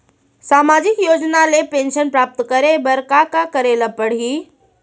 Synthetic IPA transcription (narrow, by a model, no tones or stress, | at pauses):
saːmad͡ʑikjoːd͡ʑnalepẽnʃənpɾaːp̚t̪kɐɾebəɾkakakəɾeləpəɽ̤iː